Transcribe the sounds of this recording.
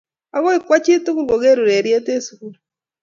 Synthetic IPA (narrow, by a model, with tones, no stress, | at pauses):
a˦ɣɔ˦i˨kwa˦t͡ʃi˦tu˦ku˦ɡo˨ɡe˦ɾu˨ɾe˨ɾje˦te˦su˨ku˨ɾ